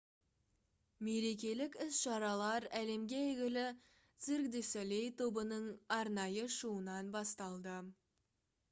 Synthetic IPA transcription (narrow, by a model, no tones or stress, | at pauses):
me̞ɾe̞k̬ʲe̞lɪkʲɪsʃɑɾɑlˠɑɾæle̞mɡʲe̞ɡʲɪlɪ | t̪siɾɡd̪esæle̞jt̪ʰo̞bənəɴɑɾnɑjəʃuənɑnbɑst̪ɑlˠd̪ə